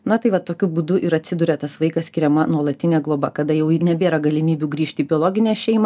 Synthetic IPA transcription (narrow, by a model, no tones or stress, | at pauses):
nɐt̪ɐɪʋɐtt̪ːoːkʲʊbuːd̪ʊʔɪɾɐt̪ʲsʲɪd̪uːɾʲɛt̪ɐsʋɐɪkɐsʲkʲɪɾʲɛmɐnuɔlˠɐt̪ʲɪnʲɛːɡlˠoːbɐkɐd̪ɐjɛʊɪnʲɛbʲeːɾɐɡɐlʲɪmʲiːbʲuːɡɾʲiːʃʲt̪ʲiːbʲɪoːlˠoːɡʲɪnʲɛːʃʲɛɪmɐ